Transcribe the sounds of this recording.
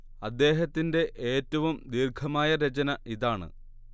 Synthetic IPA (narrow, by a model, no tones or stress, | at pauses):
ɐd̪ːe̞ːɦɐt̪ːinde̞ʔeːtːɐʋumd̪iːrkʰɐmaːjɐɾet͡ɕɐnɐʔiðaːɳɨ̰